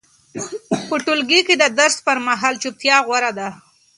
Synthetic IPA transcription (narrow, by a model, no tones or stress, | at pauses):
pəʈʊlɡiked̪əd̪əɾspəɾmaɦɑlt͡ʃup̚t̪jɑɣwaɾad̪a